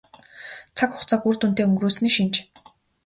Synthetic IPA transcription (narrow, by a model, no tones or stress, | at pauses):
t͡sʰakʊχt͡sʰakur̥t̪un̥t̪eːɵŋɡɾuːs̆niːʃint͡ɕ